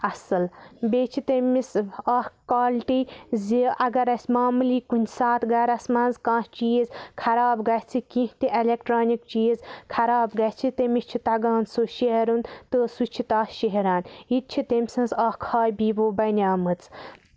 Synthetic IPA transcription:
ɐsɨlbeːt͡ʃʰit̪emisaːhkaːlʈiziʔɐɡɐɾɐsʲmaːmuliːkunʲsaːt̪ʰɡɐɾɐsmɐ̃ːnzkãːst͡ʃiːzkʰɐɾaːbɡɐht͡sʰikĩɦt̪iʔelekʈɾaːnikt͡ʃiːzkʰɐɾaːbɡɐt͡sʰit̪emit͡ʃʰit̪ɐɡaːnsoʃeɦeɾunt̪əsut͡ʃʰit̪aːhʃeɦeɾaːnit̪̚t͡ʃʰit̪emʲsɨ̃nzaːhkʰaːjbiːboːbɐnʲaːmɨt͡sʰ

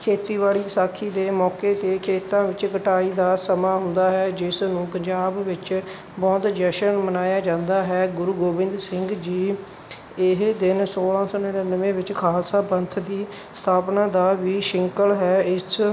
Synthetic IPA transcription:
kʰeːt̪iːʋaːliːpsaːkʰːiːd̪eːmɔːkeːt̪eːkʰeːt̪ãːʋɪt͡ʃkəʈaːiːd̪aːsəmaːɦʊnd̪aːɦɛːd͡ʒɪsnũːpəɲd͡ʒaːbːɪt͡ʃ | bɔːt̪d͡ʒɛːʃənmənaːjaːd͡ʒãːnd̪aːɦɛːɡʊɾuːɡoːʋɪ̃nd̪ɾsɪŋɡd͡ʒiː | ɪɦd̪ɪnsoːlãːsɔːnɪnənəʋẽːʋɪt͡ʃkʰaːlsaːbənt̪ʰd̪iː | st̪ʰaːpnãːd̪aːʋiːʃɪŋkəlɦɛːɪs

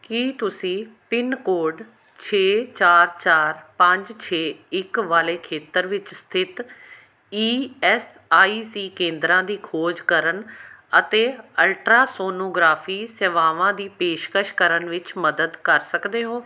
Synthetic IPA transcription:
kiːt̪ʊsĩːpɪnkoːɾɖ | t͡ʃʰeːt͡ʃaːɾt͡ʃaːɾpə̃ɲd͡ʒt͡ʃʰeːɪkʋaːleːkʰeːt̪əɾʋɪt͡ʃst̪ʰɪt̪ | iːɛːsaːiːsiːkẽːnd̪ɾãːd̪iːkʰoːd͡ʒkəɾənət̪eːəlʈɾaːsoːnoːɡɾaːfʰiːsɛːʋaːʋãːd̪iːpeːʃkəʃkəɾənʋɪt͡ʃməd̪əd̪kəɾsəkd̪eːɦoː

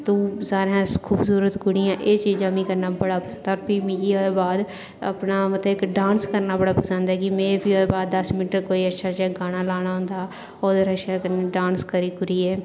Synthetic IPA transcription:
t̪uːsaːɾejãːkʰuːbsuːɾət̪ɡʊɽɪjãːʔeːt͡ʃiːd͡ʒãːmĩːkəɾnaːbəɽaːpət̪əɾpiːmĩɡioːd̪eːbaːd̪ | ə̰pnaːmət̪ləbɪkɖaːnskəɾnaːbəɽaːpəsə̃nd̪ɛːkimẽːebiod̪eːbaːd̪ːəsmɪnʈəɾkoːiːətːʃʰaːd͡ʒɛ̃ːɡaːɽ̃aːlaːɽ̃aːɦʊ̃nd̪aː | oːd̪eɾəʃaːkəneɖaːnskəɾiːkʊɾiːɛː

